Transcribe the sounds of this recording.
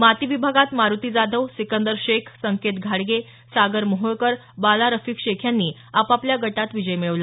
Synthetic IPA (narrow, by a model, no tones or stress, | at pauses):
mat̪iʋibʱaɡat̪maɾut̪iːd͡zad̪ʱəʋsikənd̪əɾɕekʰsəŋket̪ɡʱaɽɡe | saɡəɾmoɦojkəɾ | balaɾəfiːkɕekʰjanːiː | apapljaɡəʈat̪ʋid͡ʑəjmeɭʋla